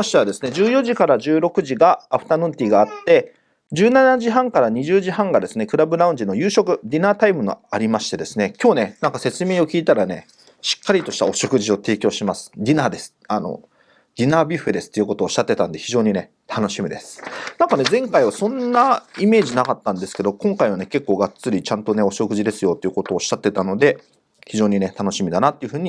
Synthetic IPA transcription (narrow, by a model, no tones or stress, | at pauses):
ɕi̥t̪eβad̪e̞sɨ̥ne̞d͡ʑɨːjo̞ʑikaɾaʑɨːɾo̞kɯ̟ʑiɡaaɸɯ̟̥t̪aːnɯ̟̃nt̪ʲiːɡaːt̪ːe̞ | d͡ʑɨːnanaʑiɦãŋkaɾaɲ̟iʑɨːʑiɦãŋɡad̪e̞sɨne̞kɯ̟ɾabɯ̟ɾaɯ̟̃ɲ̟d͡ʑino̞jɯːɕo̞kɯ̟d̪ʲinaːt̪aimɯ̟no̰aɾʲimaɕi̥t̪e̞d̪e̞sɨne̞kʲo̞ːne̞nãŋkase̞t͡sɨmʲiːo̞kʲiːt̪aɾane̞̰ | ɕi̥kːaɾʲit̪o̞ɕi̥t̪a̰o̞ɕo̞kɯ̟ʑio̞t̪e̞ːkʲo̞ːɕimasɨ̥dʲinaːd̪e̞sɨ̥ano̞̰ | d̪ʲinaːbʲiɸed̪e̞sɨ̥t̪ojɯko̞t̪oːɕi̥ɕat̪ːe̞t̪ãnd̪e̞çiʑo̞ːɲ̟ine̞ | t̪ʰano̞ɕimʲid̪e̞sɨ̥nãŋkane̞zẽ̞ŋkaiβasõ̞nːaime̞ːʑinakat̪ːãnd̪e̞sɨ̥ke̞d̪o̞kõ̞ŋkaiβ̞ane̞ke̞kːo̞ːɡat͡sɨɾʲit͡ɕãnt̪o̞ne̞o̞ɕo̞kɯ̟ʑid̪e̞sɨjo̞t̪ːojiɯ̟ko̞t̪o̞ːɕi̥ɕːat̪ːe̞t̪ano̞d̪e̞ | çiʑo̞ːɲ̟ine̞t̪ano̞ɕimʲid̪anat̪ːeiɯ̟ɸɯ̟ːɲ̟i